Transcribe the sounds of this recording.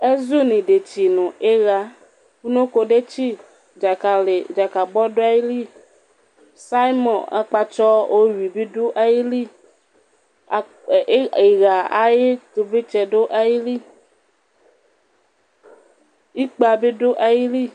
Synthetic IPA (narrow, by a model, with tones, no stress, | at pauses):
e˦zu˦nĩ˨ɖe˨t͡ʃi˨nũ˨ʔe˦ɣa˦ | ku˦nõ˦ko˨ɖe˦t͡ʃi˦˨ | d͡ʒa˨ka˨le˨d͡ʒa˨ka˨bɔ˦ɖo˦a˦ji˦li˦ | sa˦i˦mɔ̃˨a̰˦k͡pa˦t͡ʃɔ˦ʔo˦wi˨bi˦ɖo˦ʔa˦ji˦li˦˨˦ | e˨ɣa˨a̰˦je˦t̪o˨ve˦t͡ʃɛ˨ɖo˦ʔa˦ji˦li˦ | i˦k͡pa˨be˦ɖo˦ʔa˦ji˦li˦